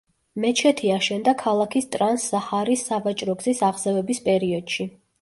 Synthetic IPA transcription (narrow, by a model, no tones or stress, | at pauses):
mɛt͡ʃʰɛt̪ʰiaʃɛnd̪akʰalˠakʰist̪ʼɾansːaχaɾisːavat͡ʃʼɾɔɡzisaʁzɛvɛbispʼɛɾiɔd̪̥ʃi